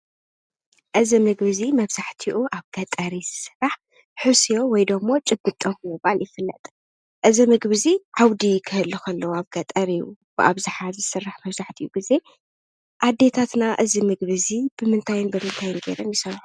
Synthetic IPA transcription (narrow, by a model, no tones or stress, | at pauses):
ʔɨzimɨɡβɨzimɐβz̥aħt̪ʰiʔuʔaβɡ̥ɐt̪ʼɐɾiz̥ɨ̥sɨrːaħ | ħɨsijo̞wɔjd̪ɐmːo̞t͡ʃʼɨbːɨt̪ʼːomɨβaljɪfɨlːɐ̰t̪ʼ | ʔɨzimɨɡβɨziʕawd̪ikʰɨhɨlːukʰɐlːɐwaβɡɐt̪ʼɐɾijub̥ɨʔa̰βzɨħazɨsɨrːaħmɐβzaħt̪ʰiuɡize̞ | ʔad̪ːe̞t̪ʰat̪naʔɨzimɨɡβɨzibɨmɨnt̪ʰajɪnbɨmɨnt̪ʰajɪnɡḛɾɐnjɪsɐɾħu